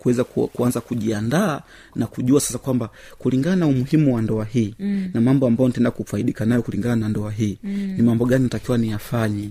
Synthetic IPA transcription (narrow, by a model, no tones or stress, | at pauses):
kuwɛzakkuanzakuʄiandaː | nakuʄuasḁsakwamba | kuliŋɡananaumuhimuwandɔahiːnamambɔambajɔnatɛndakufaiɗikanajɔkuliŋɡananandɔaɦiːnimambɔɡaninatakiwanijafaɲɛ